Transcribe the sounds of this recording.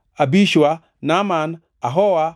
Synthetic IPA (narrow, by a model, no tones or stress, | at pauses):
abiʃwa | naman | aɦɔwa